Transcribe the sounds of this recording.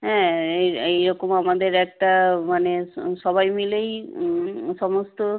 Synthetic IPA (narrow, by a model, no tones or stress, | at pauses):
ɦɛ̃eejɾɔkomamad̪eɾɛk̚ʈamaneʃɔbajmilej | ʃɔmost̪o